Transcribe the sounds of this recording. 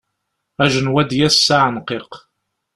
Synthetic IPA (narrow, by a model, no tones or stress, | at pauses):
æʒənwæd̪jæsːaʕənqeq